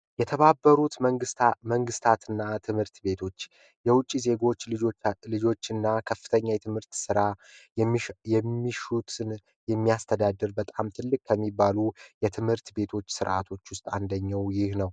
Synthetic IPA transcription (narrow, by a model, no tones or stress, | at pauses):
jɛt̪ʰəβabːəɾut̪məɡɨməŋɡɨst̪ʰat̪ɨnːat̪ʰɨmhɨɾt̪be̞t̪ʰo̞t͡ʃː | jɛwʊt͡ʃʼːize̞ɡo̞t͡ʃːlɨd͡ʒo̞t͡ʃːɨnːakʰəfːɨ̥t̪ʰəɲːajɛt̪ʰɨmhɨɾt̪sɨɾa | jɛmːiʃut̪ɨn | jɛmːijast̪ʰəd̪ad̪ːɨɾbət̪ʼamt̪ʰɨlːɨkʼkʰːəmːibːalujɛt̪ʰɨmhɨɾt̪be̞t̪ʰo̞t͡ʃːsɨɾʔa̰t̪ʰo̞t͡ʃːwʊst̪ʼand̪əɲːawjɪhnəw